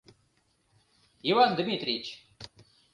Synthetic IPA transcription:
ivand̪mʲit̪ɾʲit͡ɕ

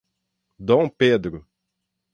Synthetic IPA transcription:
d̪õw̃ped̪ɾʊ

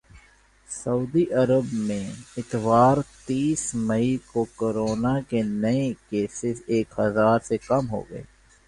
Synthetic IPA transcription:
sɐuːd̪iʔɐɾəbmẽɪt̪ʋaːɾt̪iːsmɐikokoɾoːnakenɐekeːsɪseːkɦɐzaːɾsekɐmɦo̰ːɡə̰ḛː

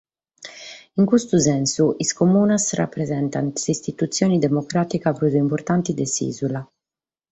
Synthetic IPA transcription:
iŋkust̪uzɛnsuʔiskomuːnasra̰pːɾɛzɛnt̪ansist̪it̪ut̪sːjoːnid̪ɛmokɾaːt̪ikapɾuzuimpɔɾt̪ant̪id̪esḭːzula

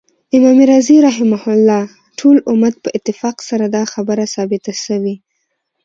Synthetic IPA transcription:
ɪmɑmɪɾaziɾaɦɪmahʊlːɑ | ʈʰolʊmat̪̚pəʔɪt̪ːɪfɑqsaɾad̪ɑxabəɾasɑbɪt̪aʃəwi

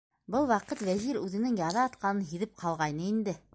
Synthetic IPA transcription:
bɤlˠwɑqɤt̪wæʑiɾʉðɘ̆nɘŋjɑðɑːt̪̚qɑnɤnɦiðɘp̚qʰɑlˠʁɑjnɤind̪ɘ

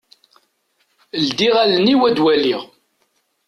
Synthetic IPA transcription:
əld̪iʁælənːiwæd̪wælːiʁ

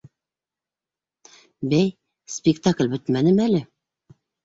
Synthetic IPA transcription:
bæj | spʲɪkt̪aklʲbɵt̪mænɘmælɘ

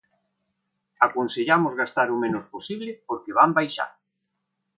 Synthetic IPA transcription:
akonseʎamozɣast̪aɾumẽnosposiβlepoɾkeβ̞ambajʃa̰ɾ

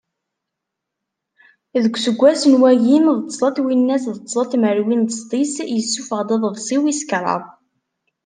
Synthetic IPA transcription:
ðəɡʷsəɡʷːæsənwæjimðt̪ˤːsˤɑt̪winːæsðət̪ːˤsˤɑt̪məɾwint̪əst̪ˤisjəsːufəʁd̪eðˤəvsˤiwiskɾˤɑ̰ðˤ

